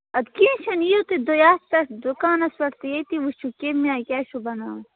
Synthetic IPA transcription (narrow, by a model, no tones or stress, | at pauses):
ɐd̪kiːnʃɐnijut̪ed̪ojaːst̪ɐʈd̪ukaːnɐswɐʈt̪ejet̪iʋuʃukemiaːkʲaːʃubɐnaː